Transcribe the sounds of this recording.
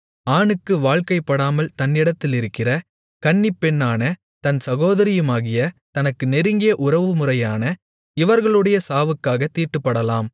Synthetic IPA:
aːnɯkːɯʋaːɭkɐɪpːɐɽaːmɐlt̪ɐnːɪɽɐt̪ːɪlɪɾɯkːɪrɐ | kɐɳːɪpːɛnːaːnɐ | t̪ɐnsɐɣoːðɐɾɪjɯmaːɣɪjɐt̪ɐnɐkːɯnɛɾɯŋɡɪjɐʔʊɾɐʋɯmʊrɐjaːnɐ | ɪʋɐɾɣɐɭɯɽɐjɐsaːʋɯkːaːɣɐt̪iːʈːɯpːɐɽɐlaːm

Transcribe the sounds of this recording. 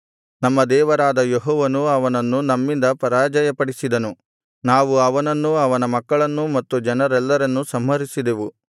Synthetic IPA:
nɐmːɐd̪ɛːʋɐɾaːd̪ɐjeɦɔːʋɐnuɐʋɐnɐnːunɐmːind̪ɐpɐɾaːd͡ʒɐjɐpɐɽisid̪ɐnu | naːʋuɐʋɐnɐnːuɐʋɐnɐmɐkːɐɭɐnːumɐt̪ːud͡ʒɐnɐɾɛlːɐɾɐnːusɐmɦɐɾisid̪eʋu

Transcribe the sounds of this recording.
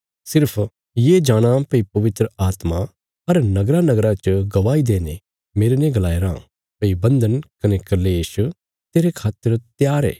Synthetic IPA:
sɪɾpʰ | jed͡ʒaːɽ̃apɐipɐʋɪt̪ɾəaːt̪ma | ɐɾnɐɡɾanɐɡɾat͡ʃɡɐʋaːid̪eːne | meːɾenẽɡlaːeɾã̰ | pɐibɐ̃nd̪ənkɐnekɐleːʃ | t̪eːɾekʰaːt̪əɾt̪jaːɾɛ̰ː

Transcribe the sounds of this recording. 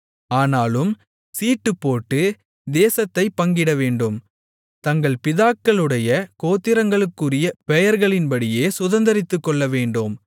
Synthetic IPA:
aːnaːlɯm | siːʈːɯpːoːʈːɯ | d̪eːsɐt̪ːɐɪpːɐŋɡɪɽɐʋeːɳɖɯm | t̪ɐŋɡɐɭpɪðaːkːɐɭɯɽɐjɐkoːt̪ːɪɾɐŋɡɐɭɯkːɯrɪjɐpɛjɐɾɣɐɭɪnpɐɽɪjeːsʊðɐnd̪ɐɾɪt̪ːɯkːɔɭːɐʋeːɳɖɯm

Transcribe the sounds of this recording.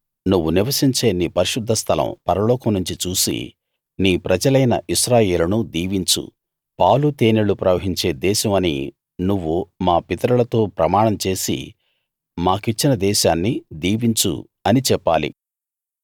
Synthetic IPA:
nuʋːuniʋɐsiɲt͡ʃe̞ːniːpɐɾiʃud̪ʱːɐst̪ʰɐlɐ̰mpɐɾɐlɔːkɐmnuɲt͡ʃit͡ʃuːsḭ | niːpɾɐd͡ʒɐlɐjnɐ̰ʔiʃɾaːje̞ːlɐnud̪iːʋiɲt͡ʃṵ | paːwlut̪eːnelupɾɐʋɐɦiɲt͡ʃe̞ːd̪ɛːʃɐmɐnḭ | nuʋːumaːpit̪ɐɾɐlɐt̪o̞ːpɾɐmaːɳɐmt͡ʃe̞ːsḭ | maːkit͡ʃːinɐd̪ɛːʃaːnːid̪iːʋiɲt͡ʃṵ | ɐnit͡ʃɛpːaːlḭ

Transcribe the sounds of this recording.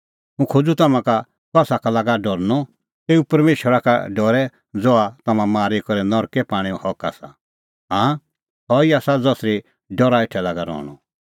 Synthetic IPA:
ɦũkʰod͡zut̪ɐmãka | kɔsakalaːɡaɖɔɾnɔ | t̪eːupɐɾmeːʃəɾaka̰ɖɔɾɛ | d͡zɔat̪ɐmãmaːɾikɔɾɛnɔɾkɛpaːɽ̃iɔ̃hɔka̰ːsa | ɦãː | hɔiaːsad͡zɔsɾi | ɖɔɾaɪʈʰɛlaːɡaɾɔ̰ːɽ̃ɔ̰

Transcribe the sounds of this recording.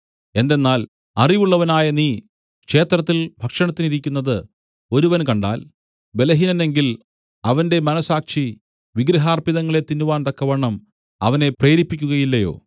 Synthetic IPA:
e̞nd̪enːaːl | ɐriʋuɭːɐʋɐnaːjɐniː | kʂe̞ːt̪rɐt̪ːilbʱɐkʂɐɳɐt̪ːiniɾikʲːunːɐðɨ | o̞ɾuʋɐnkɐɳɖa̰ːl | be̞lɐɦinɐne̞ŋɡil | ɐʋɐnde̞mɐnɐsaːkʂi | ʋiɡɾɐɦaːrpiðɐŋːɐɭe̞t̪ːinːuʋaːnt̪ɐkːɐʋeɳːɐm | ɐ̰ʋɐne̞preːɾipːikʲːuɣɐjilːɐjo̞̰ː

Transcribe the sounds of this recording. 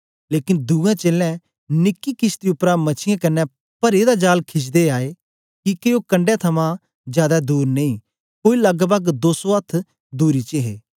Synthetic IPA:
leːkɪnd̪uːɡãːt͡ʃeːlɛ̃ː | nɪkːikɪst̪iʊpɾãmɐt͡ʃʰɪjãːkɐnːɛ | pɐɾeːd̪aːd͡ʒaːlkʰɪs̬d̪eaːe | kikeoːkɐ̃ɳɖjãt̪ʰɐmã | zjaːd̪ad̪uːɾnɐĩː | koːilɐɡbəɡd̪oːsoət̪ʰ | d̪uːɾit͡ʃeɦeː

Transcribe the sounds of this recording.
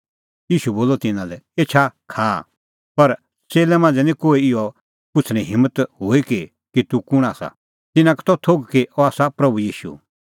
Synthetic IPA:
jiːʃuboːlɔt̪ɪnãlɛeːt͡ʃʰakʰaː | pɐɾ | t͡seːlɛmãːnd͡zɛnĩkoːiɪɔ | pʊt͡sʰɽ̃ĩɦɪ̃mːət̪ɦoːiki | kit̪ukʊɽ̃aːsa̰ | t̪ɪnãkt̪ɔt̪ʰoːɡkiʔɔaːsapɾɐbujiːʃṵ

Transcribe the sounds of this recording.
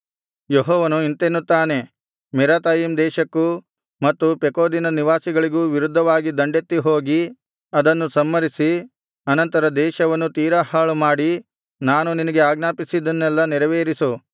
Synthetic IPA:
jeɦɔːʋɐnuint̪enːut̪ːaːne̞ | mɛɾaːt̪aːjimd̪ɛːʃɐkːu | mɐt̪ːupekoːd̪inɐniʋaːsiɡɐɭiɡuːʋiɾud̪ʱːɐʋaːɡid̪ɐɳɖet̪ːiɦo̞ːɡi | ɐd̪ɐnːusɐmːɐɾisi | ɐnɐnt̪ɐɾɐd̪ɛːʃɐʋɐnːut̪iːɾɐhaːɭumaːɽi | naːnuninɐɡe̞aːɡnaːpisid̪ɐnːɛlːɐnɛɾɐʋeːɾisu

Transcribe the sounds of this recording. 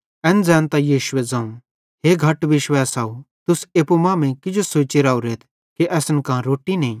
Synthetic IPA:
ɛ̃ːnd͡zɛ̃ːnt̪ajiːʃʊwɛd͡zɐ̃ũ | ɦeːɡʱɐʈʋɪʃʋaːsaːut̪ʊseːpumãːmẽkɪd͡ʒosoːt͡ʃiɾaːuɾeːt̪ʰ | kiʔɛːsnkãɾoːʈinẽ

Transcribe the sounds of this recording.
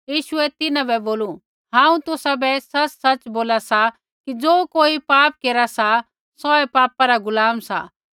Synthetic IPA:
jiːʃʊɛt̪ɪnãbɛboːlu | ɦãːũt̪ʊsabɛsɐt͡ʃsɐt͡ʃboːlasa | kid͡zoːkoːipaːp̚keːɾasa | sɔɛpaːpaɾaɡʊlaːmsa̰

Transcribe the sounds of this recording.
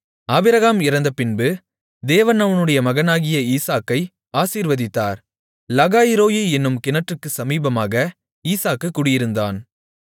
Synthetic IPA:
aːbɪɾɐɣaːmɪɾɐnd̪ɐpɪnbɯ | d̪eːʋɐnɐʋɐnɯɽɐjɐmɐɣɐnaːɣɪjɐiːsaːkːɐɪ | aːsiːɾʋɐðɪt̪ːa̰ːɾ | lɐɣaːjɪɾoːjɯɛnːɯmkɪnɐʈrɯkːɯsɐmiːbɐmaːɣɐ | iːsaːkːɯkːʊɽɪjɪɾɯnd̪a̰ːn

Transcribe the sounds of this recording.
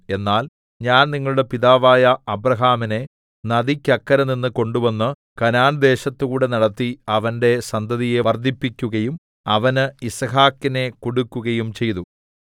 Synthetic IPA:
e̞nːaːl | ɲaːnniŋːɐɭuɽe̞piðaːʋaːjɐɐbrɐɦaːmine̞ | nɐðikʲːɐkːɐɾɐninːɨko̞ɳɖuʋɐnːɨ | kɐnaːnd̪e̞ːɕɐt̪ːukuːɽenɐɽɐt̪ːiɐʋɐnde̞sɐnd̪ʱɐðije̞ʋɐrd̪ʱipːikʲːuɣɐjum | ɐʋɐnɨisɐɦaːkːine̞koɽukʲːuɣɐjumt͡ɕe̞jt̪u

